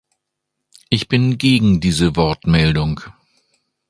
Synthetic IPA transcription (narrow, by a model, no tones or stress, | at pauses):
ʔɪçb̥ɪnɡeːɡŋ̩diːzəvɔɐtmɛldʊŋ